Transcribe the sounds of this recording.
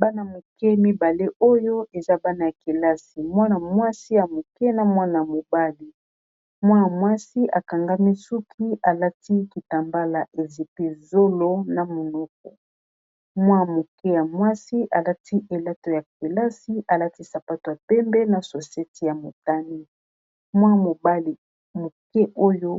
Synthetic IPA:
ba˦na˨mo˨kɛ˦mi˦ba˨le˦o˦jo˦ʔe˨za˦ba˦na˨ja˨ke˨la˦si˨mwa˦na˨mwa˦si˦ja˨mo˨kɛ˦na˨mwa˦na˨ja˨mo˨ba˦li˨ | mwa˦a˨mwa˦si˦ʔa̰˨ka˨ŋɡa˦mi˦su˦kʰi˦ʔa˨la˦ti˦ki˨ta˨mba˦la˨ʔe˨zi˨pe˦zo˦lo˦na˨mo˨nɔ˦k̚ɔ̰˨ | mwa˦˨mo˨kɛ˦ja˨mwa˦si˦ʔa˨la˦ti˦ʔe˨la˦to˨ja˨ke˨la˦si˦ʔa˨la˦ti˦sa˨pa˦to˨ja˨pɛ˦mbɛ˦na˨so˨se˦ti˦ja˨mo˨ta˦ni˦ | mwa˦mo˨ba˦li˨ | mo˨kɛ˦ʔo˦jo˦

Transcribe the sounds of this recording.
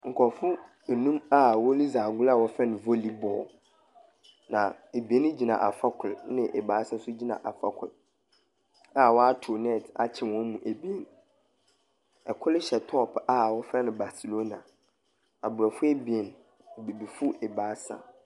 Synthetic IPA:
ŋ̩˨kʰɔ̃˨fʊ˦ | e˨nũ˦ma˦wɔ˦li˦zaː˨ɡʊ˦la˦˨wɔ˦fɛ˦nʊ̃˨vo˦li˦bɔ̰˨ | nã˨e˨bi˨e˦nʊ̃˦d͡ʑi˨nã̰˨ʔa̰˨fa˦kʰʊ˨lnɪ̃˦ʔɛ˨ba˨˦sa˦sʊ˦d͡ʑi˦nã̰˨ʔa˨fa̰˦kʷʰʊ̰˨l | a˦˨wɔ˦a˦tʰu˨nɛ˦˨tʰa̰˨t͡ɕʰɪ̃˨wɔ̃˦mũ˨ʔe˨bi˨e˨n | ɛ˨kʷʰʊ˦lɪ˦ɕɛ˨tʰɔ˦˨pa˦wɔ˦fɛ˦nɪ̃˨ba˨si˨lo˦na˨ | a˨bʊ˨ɾɔ˨fʊ˦e˦bi˨e˨n˨ | bi˨bi˨fʊ˦ʔɛ˨baː˨˦sa̰˨

